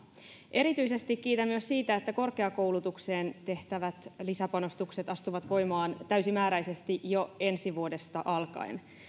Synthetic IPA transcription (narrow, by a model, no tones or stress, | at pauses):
ʔe̞ɾit̪yise̞st̪ikːiːt̪æmːyøssiːt̪æet̪ːæko̞rkeɑko̞uwlut̪ukseːnt̪e̞ht̪æʋæt̪lisæpɑno̞st̪ukse̞t̪ɑst̪uʋɑt̪ʋo̞jmɑːnt̪æysimæːɾæjse̞st̪ijoe̞nsiʋuode̞st̪ɑʔɑlkɑ̰in